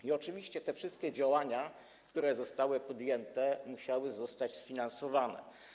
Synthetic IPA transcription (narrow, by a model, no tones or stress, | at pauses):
iɔt͡ʂɘvʲiɕt͡ɕɛt̪ɛfʂɘst̪kʲɛd͡ʑawaɲa | kt̪uɾɛzɔst̪awɘpɔd̪jɛnt̪ɛmuɕawɘzɔst̪ad͡ʑsfʲinansɔvanɛ̰